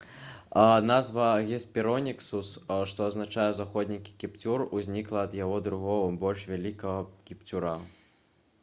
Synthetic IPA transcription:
nazvɐɣʲɛspʲiɾɔnʲiksusʂt̪ɔɐznat͡ʂajɛzaxɔd̪ʲnʲikʲi̥kʲipt͡sʲuruzʲnʲiklˠɐːd̪jaɣɔd̪ɾuɣɔvɐbɔlʲʂvʲalʲikɐɣɐkʲipt͡sʲuɾa

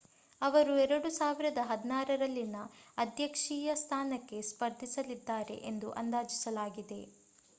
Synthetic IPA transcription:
ɐʋɐɾuɛɾɐɽusaːʋiɾɐd̪ɐɦɐd̪naːɾɐɾɐlːinɐɐd̪ʱjɐkʂiːjɐst̪ʰaːnɐkːe̞spɐɾd̪ʱisɐlid̪ːaːɾe̞̰ʔend̪uʔɐ̰nd̪aːd͡ʒisɐlaːɡid̪e̞

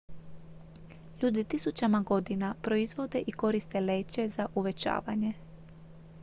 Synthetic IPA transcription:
ʎuːd̪it̪isut͡ɕamaɡo̞d̪inapɾo̞izʋo̞d̪e̞ʔiko̞ɾist̪e̞le̞ːt͡ɕe̞zaʔuʋe̞t͡ɕa̰ːʋa̰ɲe̞

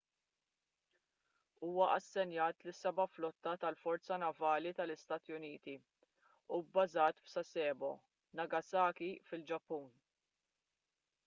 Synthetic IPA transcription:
uːwɐʔɐsːɛnjɐːt̪lɪsɛbɐflɔt̪ːɐt̪ɐlfɔɾt͡sɐnɐvɐːlit̪ɐlɪst̪ɐːt̪jʊniːt̪i | ubːɐzɐːt̪fsɐsɛːbɔ̰ | nɐɡɐsɐːkifɪld͡ʒɐpːuːn

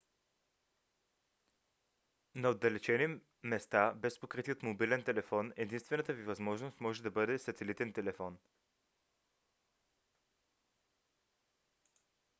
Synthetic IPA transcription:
nɐod̪ːɐlɛt͡ʃɛni | mɛst̪abɛspokɾit̪iot̪mobilɛnt̪ɛlɛfɔnɛd̪inst̪vɛnət̪əvivɐzmɔʒnost̪mɔʒɛd̪ɐbɤd̪ɛsɐt̪ɛlit̪ɛnt̪ɛlɛfɔn

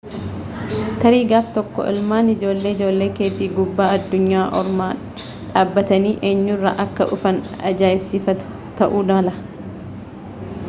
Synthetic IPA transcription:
t̪ɐɾiːɡaːft̪ɔkːɔ̰ʔɪ̰lmaːnɪd͡ʒo̞ːlːeːɪd͡ʒo̞ːlːe̞ːkeːd̪iːɡʊbːaːɐd̪ːʊɲːaːʔɔ̰ɾmaː | ᶑaːbːɐt̪ɐniːʔeːɲːʊrːɐ̰ʔɐkːɐ̰ʔʊfɐnɐ̰d͡ʒaːɪbsifɐt̪ʊ̥ | t̪ɐʔuːd̪lɐ

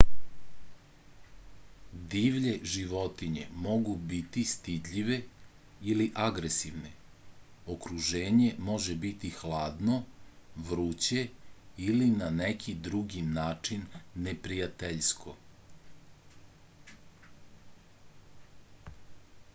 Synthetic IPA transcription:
d̪iːʋʎeʒiʋo̞t̪iɲe̞̰mo̞ɡubit̪ist̪id̪ʎiʋe̞ | iliʔaɡɾesiʋne | okɾuʒeːɲe̞mo̞ʒebit̪ixlˠaːd̪no̞ʋɾut͡ɕeilinanekʰid̪ɾuɡinaːt͡ʂinːe̞pɾijat̪eʎskʰo̞

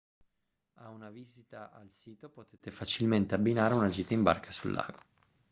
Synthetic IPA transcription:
aunavizit̪aʔalsiːt̪opot̪eːt̪efat͡ʃilment̪eabːinaːɾeunad͡ʒiːt̪aimba̰rkʰasulːʔa̰ːɡo̥

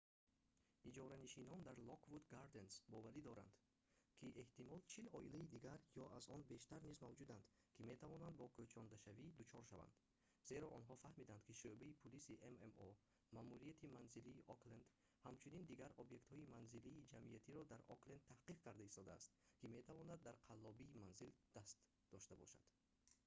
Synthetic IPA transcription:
id͡ʒɔɾaniʃinɔnd̪aɾlɔkvud̪ɡaɾd̪e̞nsbɔvaɾid̪ɔɾa̰nd̪̥ | kʰiʔe̞ht̪imɔlt͡ʃʰilɔilaid̪iɡaɾjɔʔazɔnbe̞ʃt̪aɾnizmavd͡ʒud̪and̪kʰime̞t̪ʰavɔnand̪bɔkʰøt͡ʃʰɔnd̪aʃavid̪ut͡ʃʰɔɾʃava̰nd̪̥ | z̥e̞ɾɔʔɔnɦɔfahmid̪and̪kʰiʃøbaipʰulisiʔememɔ | mamuɾijat̪ʰimanziliːʔɔklend̪ | hamt͡ʃʰunind̪iɡaɾɔbje̞kt̪hɔimanziliːd͡ʒamʔiat̪ʰiɾɔd̪aɾɔ̰klend̪̚t̪ʰahqiqkaɾd̪aist̪ɔd̪a̰ːst̪kime̞t̪ʰavɔnad̪ːaɾqʰalːɔbiːmanzild̪̥ast̪ | d̪ɔʃt̪abɔ̰ʃa̰d̪̥

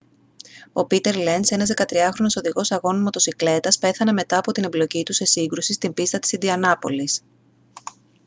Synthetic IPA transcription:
o̞pit̪e̞ɾlense̞nɐzðekɐt̪ɾiɐxɾo̞no̞so̞ðiɣo̞sɐɣo̞nimɐt̪osikle̞t̪ɐspe̞θɐne̞me̞t̪ɐːpo̞t̪inemblo̞cit̪use̞siŋɡɾusist̪imbist̪ɐt̪i̥sind̪iɐnɐpo̞̰lis

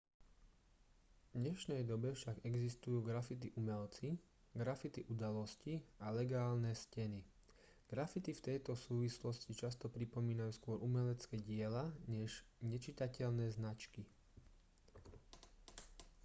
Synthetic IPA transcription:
vvd̪ɲɛʃnɛjd̪ɔbɛfʃaɡɛɡzist̪ujuːɡɾafit̪iʔumɛlt͡si | ɡɾafit̪iʔud̪alɔscialɛɡaːlnɛscɛni | ɡ̥ɾafit̪ift̪ɛjt̪ɔsuːʋislɔscit͡ʃast̪ɔpɾipɔmiːnajuːskʊɔɾʔumɛlɛt͡skɛːɟɪɛlaɲɛʒɲɛt͡ʃit̪acɛʎnɛːznat͡ʃki

